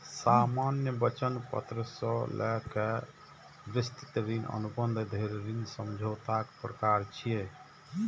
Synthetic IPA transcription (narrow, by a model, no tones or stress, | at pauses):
samanjəbət͡ʃənpə̰t̪ɾəsəlʔɛ̰ke | bɾist̪i̥t̪ɾinə̰nubənd̪d̪ʱeɾɾinsəmd͡ʒʱot̪akpɾəkaɾt͡ʃʰije